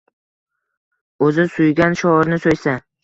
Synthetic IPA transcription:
ɵzɪsʊjɡʲanʃɒɾnɪsojsa

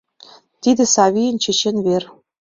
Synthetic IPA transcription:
t̪id̪ɘ̆sɑβʲijə̆nt͡ɕĕt͡ɕenβer

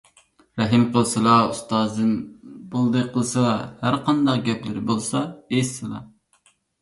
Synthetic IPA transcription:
ɾɛɦimqʰəlˠsɨlˠɑust̪ɑːzd̪ɨnbolˠd̪ɨqʰəlˠɨsɨlˠɑhæɾqʰɑnd̪ɑqɡʲɛplɪɾɪbolˠsɑesɨlˠɑ̰

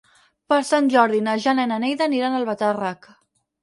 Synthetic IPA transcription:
pəɾsanʲʒɔɾðinaʒanɛnənɛjðəniɾanəlˠβət̪arak

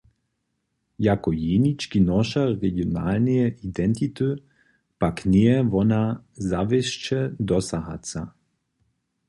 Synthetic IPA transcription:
jakɔjenit͡ʃkinɔʃaɾeɡionaːlnijɛid̪ɛnt̪it̪ø | pakniɛʋɔnazaʋeʃt͡ʃɛd̪ɔsaɦa̰t̪sa

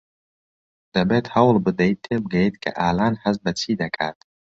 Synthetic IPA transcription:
d̪̥abɛtʰʼhawlbɨd̪ajt̪ʰːeb̚ɡajet̪ʼkʼa̰ʔaːlanħazbat͡sʰid̪akʼa̰tʼ

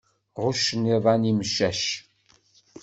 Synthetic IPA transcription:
ʁʷʊʃnevaːniːmɨʃɐʃ

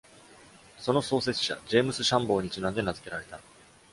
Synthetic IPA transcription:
so̞no̞so̞ːse̞t͡sɨ̥ɕa̰d͡ʑe̞ːmɯsɨɕãmbo̞ːɲ̟it͡ɕinãnd̪e̞nazɨ̥ke̞ɾaɾe̞t̪a

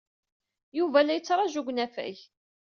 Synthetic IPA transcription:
juvælːæjət͡sːɾˤɑʒuɡʷnæfæ̰ç

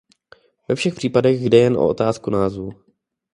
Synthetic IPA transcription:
vɛfʃɛxpr̥iːpadɛɣjdɛjɛnʔo̰ʔo̰t̪aːskunaːzvu

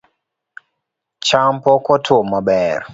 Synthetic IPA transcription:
t͡ʃampɔkɔtʰomabɛɾ

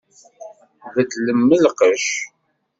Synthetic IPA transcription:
ðəd̪ləmːəlqəʃ

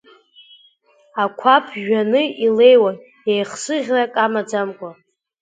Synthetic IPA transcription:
akʷʰapʰʒᶣanɨile̞jwan | ejχsɨʁʲrakʼamad͡zamkʷʼa

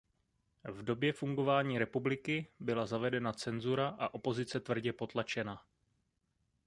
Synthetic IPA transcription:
vdo̞bjɛfuŋɡo̞vaːɲiːɾɛpublɪkɪbɪlazavɛdɛnat͡sɛnzuɾaʔaʔo̞po̞zɪt͡sɛt̪vr̩ɟɛpo̞t̪lat͡ʃɛna

